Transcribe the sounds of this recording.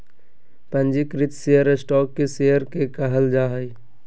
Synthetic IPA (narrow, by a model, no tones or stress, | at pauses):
pə̃nd͡ʒikɾɪt̪sejəɾɪsʈɔːkːesejəɾkekəɦəld͡ʒaːɦəi